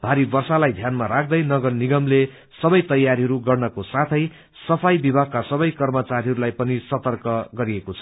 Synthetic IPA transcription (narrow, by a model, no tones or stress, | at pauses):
b̥ʱaɾibʌrsalajd̪ʱjanmaɾakʰd̪ʌjnʌɡʌrniɡʌmle | sʌbʌjt̪ʌjːaɾiɦʌɾuɡʌrnʌkosat̪ʰʌj | sʌpʰajbibʱaɡ̚kːasʌbʌjkʌrmʌt͡saɾiɦʌɾulajpʌnisʌt̪ʌrkʌɡʌɾiekot͡sʰʌ